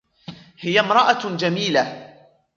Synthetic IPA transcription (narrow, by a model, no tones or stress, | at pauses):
hɪjamɾˤɑʔad͡ʒamiːla